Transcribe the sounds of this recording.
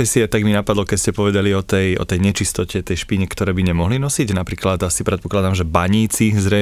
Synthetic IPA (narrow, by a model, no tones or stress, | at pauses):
ɛsiɛt̪aɡminapad̪lɔkɛcscɛpɔʋɛd̪aliɔt̪ɛjɔ̰t̪ɛjɲɛt͡ʃist̪ɔcɛt̪ɛjʃpiɲɛkt̪ɔɾɛːbiɲɛmɔɦlinɔsiɟnapɾiːklad̪asipɾɛt̪̚pɔklad̪amʒɛbaɲiːt͡sizɾɛ